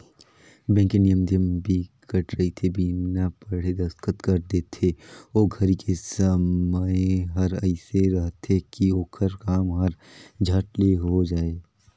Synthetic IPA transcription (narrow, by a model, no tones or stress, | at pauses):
bɛ̃ːŋkenijəmd̪ʱjəmbʱikəʈʰɾɐɦit̪ʰebiːmnapɐɽ̤ed̪ɐskət̪kɐɾd̪eːt̪ʰeoːɡʱɐɾikʰesəməeɦɐɾɐɪseɾɐɦt̪ekioːkʰəɾkaːmɦɐɾd͡ʒʱɐʈleɦod͡ʒaːeː